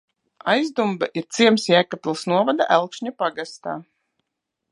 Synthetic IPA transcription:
ajzd̪umbaʔiɾt̪siɛmsjæːkat̪lˠsnuɔvad̪a̰ʔælˠkʃɲapaɡast̪a̰ː

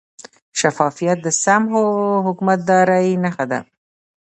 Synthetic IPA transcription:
ʃafɑfijat̪̚d̪əsamɦoɦʊkumat̪̚d̪ɑɾainaxad̪a̰

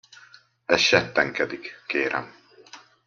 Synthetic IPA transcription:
ɛsʃɛt̪ːɛŋkɛd̪ikkeːɾɛ̰m

